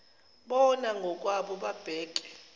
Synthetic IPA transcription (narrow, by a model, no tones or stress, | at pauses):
ɓɔnaŋɡʱɔk̬ʼwaɓɔɓab̥ʱɛːǃʼɛ